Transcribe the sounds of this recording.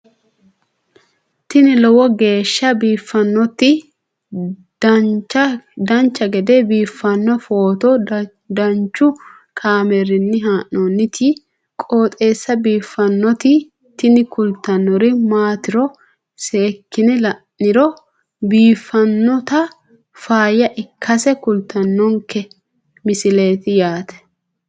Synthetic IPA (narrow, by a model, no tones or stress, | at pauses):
t̪ɪnɪlɔwɔɡe̞ːʃːɐbiːfːɐnːɔt̪ːɪ | ɐd̪ɐnt͡ʃːɐɡɛd̪ebiːfːɐnːɔfoːt̪ɔ | d̪ɐnt͡ʃːʊ | kʰaːmeɾɪnːɪɦaːʔːonːɪt̪ʰɪ | kʼoːt̪ʼe̞ːsːɐbiːfːɐnːɔt̪ɪ | t̪ɪnɪkʊlt̪ɐnːɔɾɪmaːt̪ɪɾɔ | seːkːɪnɛlɐʔːɪɾɔ | biːfːɐnːɔt̪ɐ | faːjɐʔɪkʰːɐsɛkʊlt̪ɐnːɔŋkɛ | mɪsɪle̞ːt̪ɪjaːt̪ɛ̥